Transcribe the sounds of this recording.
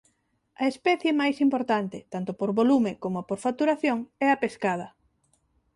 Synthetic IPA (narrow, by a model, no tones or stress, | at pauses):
ɐespɛθjemajsimpoɾt̪ant̪ɪt̪ant̪opoɾβolumekomopoɾfat̪uɾaθjoŋɛɐpeskað̞ɐ